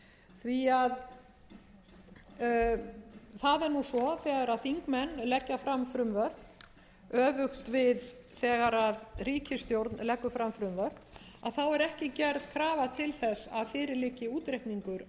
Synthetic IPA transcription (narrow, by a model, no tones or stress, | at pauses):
θviað | θaðɛɾnusɔθɛːɣaɾaðθiŋkmɛnːlɛcːafɾamfɾʏmvœɾð | œːvʏxt̪vɪðθɛːɣaɾaðriːcɪst̪jowɾt̪nlɛkːʏfɾamfɾʏmvœɾð | aðθawɛɾɛhcɪcɛɾð̥kʰɾaːvat̪ʰɪlθɛsːa̰ðfɪːɾɪɾlɪːcːɪuːt̪ɾejht̪niŋkʏɾ